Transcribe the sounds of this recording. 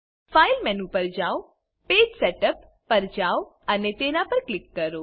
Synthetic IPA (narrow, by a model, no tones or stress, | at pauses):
failmɛnũpəɾd͡ʒaw | ped͡ʒseʈəpː | əɾd͡ʒaw | ənet̪enapəɾklɪkːəɾo